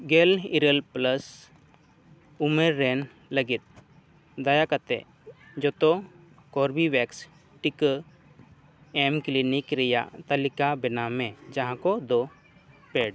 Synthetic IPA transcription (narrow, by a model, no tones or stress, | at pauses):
ɡɛliɾəlpləs | umeɾːɛn | ləɡit̪̚ | d̪ajakat̪ɛ̰ʔ | d͡ʒɔt̪ɔ | kɔɾbiwɛks | ʈikə | ɛmklinikɾɛja̰ʔt̪alikabɛnamɛd͡ʒaɦãkɔd̪ɔ | pɛɖ